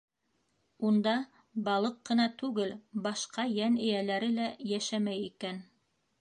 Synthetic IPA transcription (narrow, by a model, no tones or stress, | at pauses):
und̪ɑ | bɑlˠɤqːɤ̆nɑt̪ʉɡɘlbɑʃqɑjænɘ̆jælæɾɘlæjæʃæmæjikæn